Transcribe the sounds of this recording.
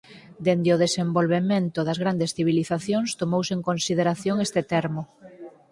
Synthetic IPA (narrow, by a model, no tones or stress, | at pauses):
d̪end̪ɪoðesembolβemẽnt̪ʊðɐzɣɾand̪esθiβ̞iliθaθjoŋst̪omowseŋkonsið̞eɾaθjoŋest̪ɪt̪ɛɾmo